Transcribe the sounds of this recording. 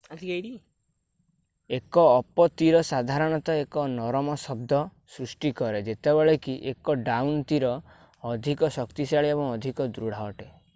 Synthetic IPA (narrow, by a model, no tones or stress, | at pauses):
at̪ʰikajɽi | ekɔːpɔt̪iɾɔsad̪ʱaɾɔɽ̃ɔt̪ɔekɔnɔɾɔmɔsɔb̚d̪ʱɔ | sɾusʈikɔɾed͡ʒet̪ebeɭekiʔekɔɖawnt̪iɾɔː | d̪ʱikɔsɔkt̪isaɭiebɔŋɔd̪ʱikɔd̪ɾuɽ̤aɔʈe